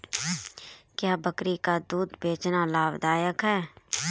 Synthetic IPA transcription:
kjaːbəkɾikad̪uːd̪beːt͡ʃnalaːbd̪aːjəkɦɛː

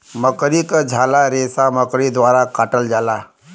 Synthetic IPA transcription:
məkɽikəd͡ʑʱalaɾesaməkɽid̪ʋaɾakaʈəld͡ʒala

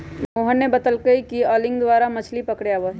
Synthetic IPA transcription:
moːɦənːebɐt̪əlkəikiɔːlɪ̃ŋɡd̪ʋaːɾamɐt͡ʃʰlipɐkɽjaʋo

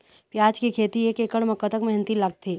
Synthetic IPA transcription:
pjaːd͡ʒkekʰeːt̪ieːkeːkəɽmɐkːət̪əkmɛɦnət̪ilɐɡ̚t̪ʰeː

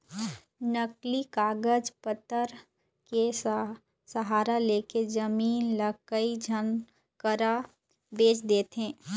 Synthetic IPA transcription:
nəklikaːɡəd͡ʒpət̪əɾ | ke | səɦaːɾaleːked͡ʒəmiːnləkəid͡ʒʱən | kəɾa | beːt͡ʃd̪eːt̪ɦɛ̃ː

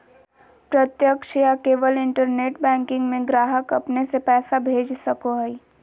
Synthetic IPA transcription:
pɾət̪jəkʃijakeːʋəlɪ̃ɳʈəɾneːʈbɛ̃ːŋkɪ̃ŋɡmẽɡɾaːɦəkɐpnesepɛːsabʱeːd͡ʒsɐkoɦəi

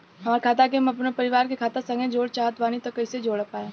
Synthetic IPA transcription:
ɦɐmaːɾekʰaːt̪ak̬emɐpnepɐɾɪʋaːɾkekʰaːt̪asɐ̃ŋɡẽd͡ʒoːɽt͡ʃaːɦət̪ʋaːnit̪ɐkːɐɪsed͡ʒoːɽəpaːjaː

